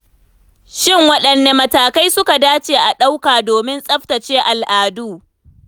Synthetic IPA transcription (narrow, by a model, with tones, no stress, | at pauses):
ʃɪ˦˨ŋwɐ˦ɗɐ˨nːeː˨mɐ˨taː˨ka˦jsʊ˦ka˨daː˦t͡ʃeː˨ʔa˨ɗa˦wkaː˨doː˨mɪ˦nsʼɐ˦ɸtɐ˨t͡ʃeː˦ʔa˨lʔaː˨duː˦